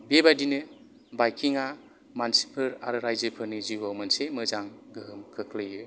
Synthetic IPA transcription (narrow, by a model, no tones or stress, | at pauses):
bebadinɯ | bajkʰiŋa | mansi̥pʰɯɾa̰ɾɯɾajzɯpʰɯɾniziwawmansemɯzaŋɡɯɦɯmkʰɯkʰlɯjɯ